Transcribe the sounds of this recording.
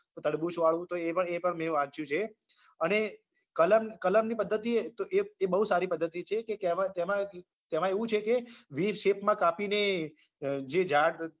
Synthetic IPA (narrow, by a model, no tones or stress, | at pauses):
t̪əɽbũt͡ʃʰũaɭʋũt̪oepəɳepəɳmɛ̃ʋãt͡ʃjũt͡ʃʰe | əne | kələmkələmnipəd̪ːət̪it̪oʔeebəɦusaɾipəd̪ʱːət̪it͡ʃʰekekeʋãt̪emã | t̪emãeʋũt͡ʃʰekeʋiɾʃepmãkapine | d͡ʒed͡ʒaɽ